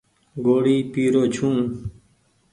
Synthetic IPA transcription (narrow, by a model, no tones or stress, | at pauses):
ɡoːɽiːpiːɾoːt͡ɕʰũː